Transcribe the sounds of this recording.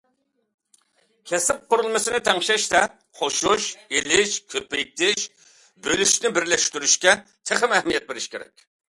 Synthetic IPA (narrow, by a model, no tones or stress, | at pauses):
kʲʰɛsɪp̚qʊɾɨlˠmɨsɪnɪt̪ʰɛŋʃɛʃt̪ɛ | χoʃuʃelɪʃkʲʰøpːɪk̚ʲt̪ʰɪʃ | bølyʃnɪbɪɾlɛʃt̪yɾyʃkʲɛt̪ʰeχɪmɛhmijɛt̪̚beɾɪʃkʲeɾɛ̰kʲ